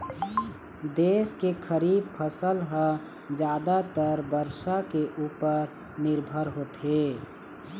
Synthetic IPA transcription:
d̪eːskekʰəɾiːb̚pʰəsəlɦə | d͡ʒjaːd̪at̪əɾbəɾʃakeʔuːpəɾ | nɪɾbʱəɾɦoːt̪eː

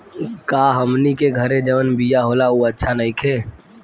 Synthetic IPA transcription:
kaɦəmnikeɡʱəɾed͡ʒəʋənbijaɦolauətːʃʰanəɪkʰe

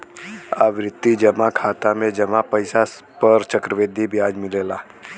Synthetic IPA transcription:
a̰ʋɾɪt̪ːid͡ʒɐmakʰaːt̪amẽd͡ʒɐmapəɪsa | pəɾt͡ʃəkɾəʋed̪ʱibijaːd͡ʒmɪleːlaː

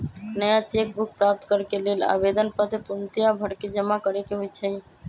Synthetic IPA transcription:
nəjat͡ʃek̚buk̚pɾap̚t̪kəɾkelela̰bed̪ənpət̪ʰpunt̪ijabʱəɽked͡ʒəmakəɾekeɦojt͡ʃʰəĩ

